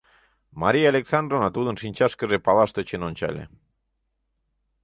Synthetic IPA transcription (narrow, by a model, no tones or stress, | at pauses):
maɾiaːleksand̪ɾonat̪uðensiɲʲt͡ʃaskerepaβast̪et͡ʃenont͡ʃa̰lḛ